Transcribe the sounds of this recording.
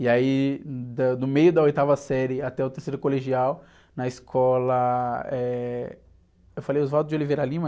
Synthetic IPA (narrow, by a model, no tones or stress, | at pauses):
ɪaid̪ɐd̪ʊmejʊd̪ɐojt̪avɐsɛɾɪat̪ɛʊt̪eɾsejɾʊkoleʒiaw | nɐɪskʰɔlɐɛ | ewfalejʊzvɔt̪ʊzd͡ʒɪolivejɾalĩmɐ